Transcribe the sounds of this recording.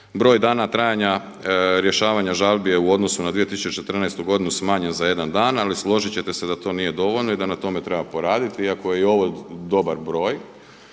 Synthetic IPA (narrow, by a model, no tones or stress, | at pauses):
bɾo̞ːjd̪aːnat̪ɾaːjaɲa | ɾje̞ʃaːʋaɲaʒalˠbijeuo̞d̪nosunad̪ʋije̞t̪isut͡ʃt͡ɕet͡ʃe̞t̪r̩nɛjst̪uɡo̞d̪inusmaːɲe̞nzaje̞d̪and̪aːnalislˠo̞ʒit͡ɕe̞t̪e̞se̞d̪at̪o̞ːnije̞d̪o̞ʋo̞ʎno̞id̪anat̪o̞me̞t̪ɾe̞bapo̞ɾaːd̪it̪iiako̞je̞io̞ʋod̪o̞baɾbɾo̞ːj